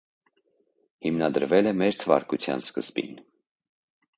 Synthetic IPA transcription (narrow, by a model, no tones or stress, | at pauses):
himnɑd̪əɾvɛlɛmɛɾt̪ʰəvɑ̰ɾkut͡sʰjɑ̰nskəzbḭn